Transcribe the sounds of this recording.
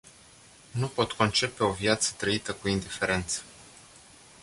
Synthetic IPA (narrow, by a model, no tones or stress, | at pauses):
nupo̞t̪kʰo̞nt͡ʃe̞pe̞o̞vjat̪sə̥t̪ɾəit̪əkuind̪ife̞ɾe̞nt̪sə̥